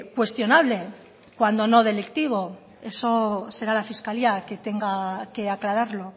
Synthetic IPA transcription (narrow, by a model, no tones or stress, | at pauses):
kwe̞st̪jo̞naβ̞le̞ | kwand̪o̞no̞ð̞e̞lekt̪iβ̞o̞ | e̞sose̞ɾalafiskaliake̞t̪e̞ŋɡake̞aklaɾaɾlo̞